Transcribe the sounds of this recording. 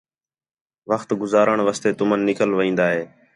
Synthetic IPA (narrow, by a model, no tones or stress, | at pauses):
ʋəxt̪ɡʊzaːɾəɳʋəːst̪eːt̪ʊmənːɪkəlʋəĩːnd̪aːɦeː